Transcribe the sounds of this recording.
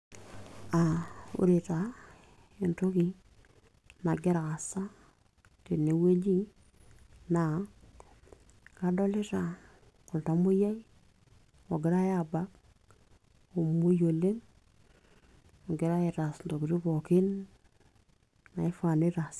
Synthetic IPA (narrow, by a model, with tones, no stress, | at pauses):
a˨ṵ˦ɾe˨ta˨ | e˨nto˦ki˨ | na˨ɡɪ˦ɾa˨ka˨sa˦ | te˨ne˨we˦d͡ʒi˦ | na˨ | ka˨dɔ˦lɪ˦ta˨ | kʊ˨lta˨mo˦ja˦i˦ | o˨ɡɪ˨ɾa˦a˨ba˦k̚ | o˨mo˦jo˨le˦m | ɔ˨ɡɪ˦ɾa˦e˨ɾa˨sdo˨ki˨ɾi˦pɔ˨kɪ˦n | na˨ɪ˦fa˨ne˦ɾa˨s